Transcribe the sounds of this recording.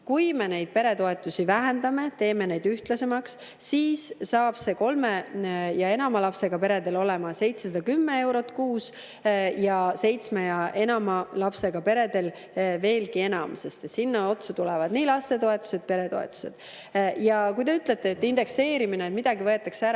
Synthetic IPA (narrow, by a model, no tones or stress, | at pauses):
kujme̞ne̞jd̪̥̚pe̞ɾe̞t̪o̞e̞t̪ːˑusʲivæɦend̪̥ɑme̞t̪e̞ːme̞ne̞jd̪̥yht̪lɑse̞mɑksː | iːsːɑːb̥se̞ko̞lme̞jɑe̞nɑmɑlɑpse̞ɡ̥ɑpe̞ɾe̞d̪̥e̞lo̞le̞mɑse̞jt̪sesɑd̪ɑkymːe̞e̞wɾo̞t̪ːˑkuːs | jɑse̞jt̪smejɑʔe̞nɑmɑlɑpse̞ɡ̥ɑpe̞ɾe̞d̪e̞l | ve̞ːlɡie̞nɑmse̞st̪et̪sinːɑo̞t̪sut̪ulɛvɑd̪̥niːlɑst̪e̞t̪o̞e̞t̪ːˑu̥se̞d̪̚pe̞ɾe̞t̪o̞̰ḛt̪ːˑu̥se̞̰d̪̥ | jɑkujt̪e̞yt̪ːˑlet̪ːˑeːt̪ːˑind̪̥e̞kse̞ːɾimineːt̪mid̪̥ɑɡivɤet̪ːˑɑkseæɾɑ